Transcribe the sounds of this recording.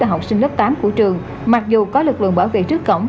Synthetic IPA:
aː˨˧˩ɦa˨˩w̚k͡p̚sï˧ŋ̟lə˦˥p̚t̪aː˨˦mku˧˩ət͡ɕɨ˨˩əŋ | ma˨˩k̚zu˨˩kɔ˨˦lɨ˨˩k̚lɨ̰˧˨əŋɓaː˧˩wvḛ˧˨t͡ɕɨ˦˥əkːə̰˧˩wŋ͡m

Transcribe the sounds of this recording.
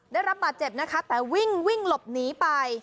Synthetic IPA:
daː˥˩jɾa˦˥p̚baː˨˩t̪̚t͡ɕe˨˩p̚na˦˥kʰa˦˥t̪ɛː˨˩wi˥˩ŋwi˥˩ŋlo˨˩p̚niː˨˩˦pa˧j

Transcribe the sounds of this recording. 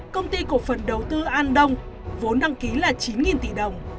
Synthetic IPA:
kə˧wŋ͡mt̪i˧ku˧˩əfə˨˩nɗə˨˩wt̪ɨ˧ʔaː˧nɗə˧wŋ͡m | vo˨˦nɗa˧ŋki˨˦laː˨˩t͡ɕi˨˦nŋi˨˩nt̪ḭ˧˩ɗə˨˩wŋ͡m

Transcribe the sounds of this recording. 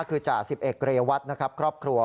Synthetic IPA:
kʰɯː˧t͡ɕaː˨˩k̚si˨˩p̚ʔe˨˩t̪̚kɾa˧ja˧wa˦˥t̪̚na˦˥kʰa˦˥p̚kʰɾɔː˥˩p̚kʰɾu˧ɐ

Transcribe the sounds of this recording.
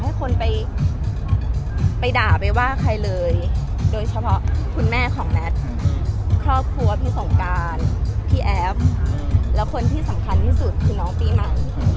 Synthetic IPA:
ha˥˩jkʰo˧npa˧j | pa˧jdaː˨˩pa˧jwaː˥˩kʰa˧jlɤː˧j | doː˧jt͡ɕʰa˧pʰɔ˦˥ʔkʰu˧nmɛː˥˩kʰɔː˩˦ŋmɛ˦˥t̪̚ | kʰɾɔː˥˩p̚kʰɾu˧˥˩əp̚niː˧so˨˩˦ŋkaː˧npʰiː˧˩ʔɛ˦˥p̚lɛ˦˥wkʰo˧nt̪ʰiː˥˩sa˩˦mkʰa˧nt̪ʰiː˥˩su˨˩t̪̚kʰɯ˧nɔː˦˥ŋpiː˧˩ma˨˩j

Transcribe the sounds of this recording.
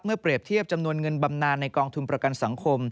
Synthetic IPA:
p̚mɯ˥˩ɐpɾi˨˩əp̚t̪ʰi˥˩əp̚t͡ɕa˧mnu˧ənŋɤ˧nba˧mnaː˧nːa˧jkɔː˧ŋt̪ʰu˧npɾa˧ka˧nsa˩˦ŋkʰo˧m

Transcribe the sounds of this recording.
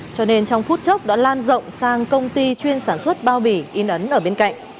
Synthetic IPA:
t͡ɕɔ˧ne˧nt͡ɕɔ˧wŋ͡mfu˦˥t̚t͡ɕə˦˥wk͡p̚ɗa̰ː˧˥laː˧nzə̰˧˨wŋ͡msaː˧ŋkə˧wŋ͡mt̪i˧t͡ɕwi˧ənsaː˧˩nswə˦˥t̚ɓaː˧wɓi˧˩ʔi˨˦nʔə˨˦nʔəː˧˩ɓe˧nka̰˧˨jŋ̟

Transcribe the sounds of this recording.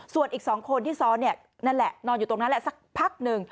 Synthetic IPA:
su˨˩ənʔiː˨˩k̚sɔː˩˦ŋkʰo˧nt̪ʰiː˥˩sɔː˦˥nːi˥˩ə | naː˥˩lɛ˨˩ʔnɔː˧njuː˨˩t̪o˧ŋna˦˥lɛ˨˩sa˨˩k̚pʰa˦˥˩k̚nɯ˧ŋ

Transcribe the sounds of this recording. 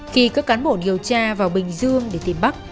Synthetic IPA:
xi˧kaː˦˥kːaː˨˦nɓo̰˧˨ɗi˨˩əwt͡ɕaː˧vaː˨˩wɓï˨˩ŋ̟zɨ˧əŋɗe˧˩t̪i˧˩mɓa˦˥k̚

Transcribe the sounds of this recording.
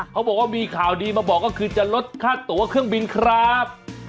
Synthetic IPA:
kʰa˦˥wbɔː˨˩k̚waː˥˩miː˧kʰaː˨˩wdiː˧maː˧bɔː˨˩k̚ːɔː˥˩kʰɯː˧t͡ɕa˨˩lo˦˥t̪̚kʰaː˥˩t̪ːu˩˦ɐkʰɯ˥˩əŋbi˧nkʰɾa˦˥p̚

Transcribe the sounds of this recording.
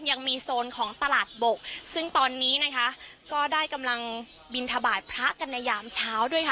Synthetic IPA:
ja˧ŋmiː˧soː˧nkʰɔː˩˦ŋt̪a˧laː˨˩t̪̚bo˨˩k̚sɯ˥˩ŋt̪ɔː˧nːiː˦˥na˦˥kʰa˦˥ʔkɔː˥˩daː˥˩jka˧mla˧ŋ | bi˧nt̪ʰa˧baː˨˩t̪̚pʰɾa˦˥ʔka˧nːa˧jaː˧mt͡ɕʰaː˦˥wdu˥˩əjkʰa˥˩

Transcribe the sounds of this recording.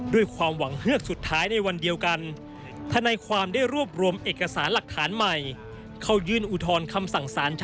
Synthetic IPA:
du˥˩əjkʰwaː˧mwa˩˦ŋhɯ˥˩ək̚su˨˩t̪ʰːaː˦˥jna˧jwa˧ndi˧əwka˧n | t̪ʰa˧naː˧jkʰwaː˧mdaː˥˩jɾu˥˩əp̚ɾu˧əmʔeː˨˩kːa˧saː˩˦nla˨˩k̚t̪ʰːaː˩˦nma˨˩j | kʰa˥˩wjɯː˥˩nʔu˨˩t̪ʰɔː˧nkʰa˧msa˨˩ŋsaː˩˦nt͡ɕʰ

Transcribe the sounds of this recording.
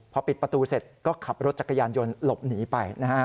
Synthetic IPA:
pʰɔ˧pi˨˩t̪̚pɾa˧t̪uː˧se˨˩t̪̚kɔː˥˩kʰa˨˩p̚ɾo˦t̪̚t͡ɕa˨˩kʰːa˧jaː˧njo˧nlo˨˩p̚niː˩˦pa˧jna˦˥kʰa˦˥

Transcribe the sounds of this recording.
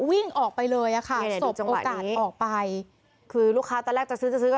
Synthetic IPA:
wi˥˩ŋʔɔː˨˩k̚pa˧jlɤː˧jʔa˨˩kʰa˥˩˧so˨˩p̚a˧ŋʔoː˧a̰˨˩kaː˨˩t̪̚ːʔɔː˨˩k̚pa˧j | kʰɯː˧luː˥˩kʰːaː˦˥t̪ɔː˧˩lɛː˥˩t͡ɕa˨˩sɯː˦˥t͡ɕa˨˩sɯː˦˥kɔ˥˩

